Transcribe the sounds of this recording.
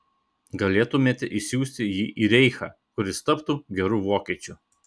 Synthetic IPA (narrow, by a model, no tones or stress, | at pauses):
ɡɐlʲeːt̪ʊmʲeːt̪ʲɪʔɪsʲjuːsʲt̪ʲɪjiːʔiːɾʲɛɪxɑːkʊɾʲɪst̪ɐpt̪uɡʲɛɾuːʋoːkʲiːt͡ʃʲʊ